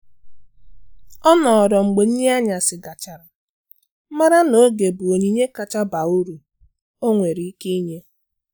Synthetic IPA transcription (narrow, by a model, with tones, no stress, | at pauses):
ɔ˦nɔ˨ɔ˨ɾɔ˨ŋ͡m̩˨ɡ͡be˨n̩˦ɲe˦a˦ɲa˨sɪ˨ɡa˨t͡ʃa˨ɾa˨˦ | ma˦ɾa˦no˦ɡe˨bu˨o˨ɲi˦ɲe˦ka˨t͡ʃa˦ba˨u˦ɾu˨ | o˦ŋʷe˨ɾi˨˦i˦ke˦i˦ɲe˦